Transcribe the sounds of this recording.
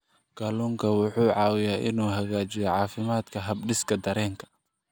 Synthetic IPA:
ɡ̥ɐluːŋkʰɐwʊħuːʕɑːwɪjaːʔɪnuːɦɐɣaːt͡ʃɪjɛjʕɑːfɪmaːd̪kʰɐɦɐbɖɪskʰɐd̪ɐɾɛːŋkʰɐ̥

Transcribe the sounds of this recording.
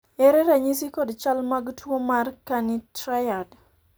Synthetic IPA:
ɛɾɛɾaɲisikɔdt͡ʃalmaɡtʰwomarkanɪtɾajad

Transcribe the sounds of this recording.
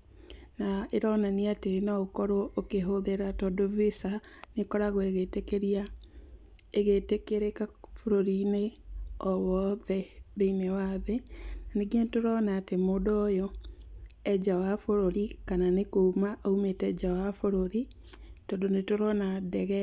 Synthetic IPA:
naeɾɔnaniatenaokɔɾookeɦoðeɾatɔdovisanekɔɾaɣɔeɣetekeɾia | eɣetekeɾekafoɾoɾineɔwɔðɛbeimɛwaðenaneɡientoɾɔnaːtemoːdɔjɔ | ɛd͡ʒawafoɾoɾikananekomaʔaumetɛd͡ʒawafoɾoɾi | tɔdonetoɾɔnadɛɣɛ

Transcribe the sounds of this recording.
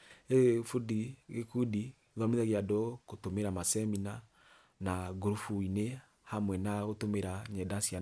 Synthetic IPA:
efudiɣekudi | ðameðaɣiadɔkotomeɾamasɛmina | naɡoɾufuine | hamwɛnaɣotomeɾaɲɛdasja

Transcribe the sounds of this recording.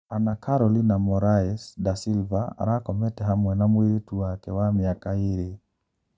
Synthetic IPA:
anakʰaɾɔlinamɔɾaɛsdasilvaa̰ɾakɔmɛtɛɦamwɛnamwiɾetuwakɛwamiakaeɾe

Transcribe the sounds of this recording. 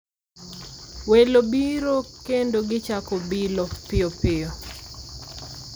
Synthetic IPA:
welobiɾokendoɡɪt͡ʃakobilopɪopɪo

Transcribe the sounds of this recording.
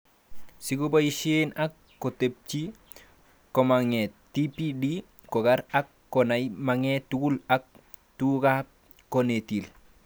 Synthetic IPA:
siɡobaiʃenakːotep̚t͡ʃi | komaŋetipidi | koɡaɾakːonajmaŋetuɡulak̚ | tuɡa | onetil

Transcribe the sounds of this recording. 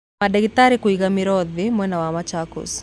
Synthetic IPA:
adɛɣitaɾikoiɣamɪɾɔðɪmwɛnawamat͡ʃakɔ̰s

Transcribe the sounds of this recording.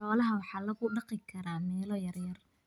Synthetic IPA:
ɔːlɐɦɐwɑħɑːlɐɣʊɖɑqɪkʰɐɾaːmɛːlɔjɐrjɐr

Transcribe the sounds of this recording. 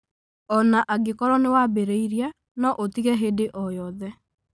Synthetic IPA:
ɔnaʔaɡekɔɾɔnewabeɾeiɾia | nɔʔotiɣɛɦedeʔɔjɔðɛ

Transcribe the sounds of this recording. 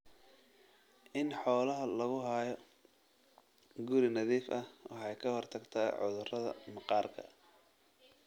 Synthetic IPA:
ʔɪnħɔːlɐɦɐlɐɣʊɦaːjɔ | ɡʊɾɪnɐðiːfʔɐhwɑħɑjkʰɐhɔrt̪ʰɐɡt̪ʰaːʕʊ̰ðʊrɐðɐ̰mɑqɑːrkʰɐ̰

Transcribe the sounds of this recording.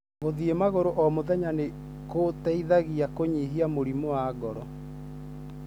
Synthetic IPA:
ɣoðiemaɣoɾoʔɔmoðɛɲane | kotɛiðaɣiakoɲiɦiamoɾimoaɡɔɾɔ

